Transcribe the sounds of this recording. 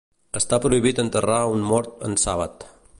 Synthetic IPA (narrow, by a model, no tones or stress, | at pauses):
əst̪apɾuiβ̞it̪ənt̪əraunmɔɾt̪ə̰nsaβ̞ət̪